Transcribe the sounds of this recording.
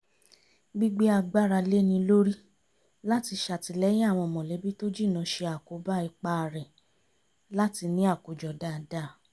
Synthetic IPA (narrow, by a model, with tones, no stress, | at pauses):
ɡ͡bi˦ɡ͡be˦a˧ɡ͡ba˦ɾa˧le˦nĩ˧lo˦ɾi˦ | la˦ti˧ʃa˨ti˧lɛ˦j̃ĩ˦a˦˨w̃ɔ̃˧mɔ̃˨le˨˦bi˦to˦d͡ʒi˦˨nã˧ʃe˧a˨ko˨˦ba˦i˧k͡pa˧ɾɛ˨ | la˦ti˧nĩ˦a˦˨ko˨d͡ʒɔ˨da˦˨da˦˨